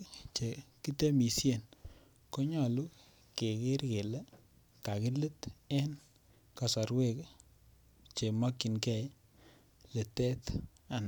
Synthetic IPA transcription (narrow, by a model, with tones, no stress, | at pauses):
t͡ʃe˨ki˦te˦mi˨sje˦˨n | ko˦ɲɔ˨lu˦ | ke˨kɪ˦ɾke˨lɛ˦ | ka˨ki˦lɨ˦tɛ˦n | ka˨sa˨ɾwe˦˨k | t͡ʃe˨ma˦kːi˨nkɛ˦j | le˨tɛ˦t̪ | a˨n˨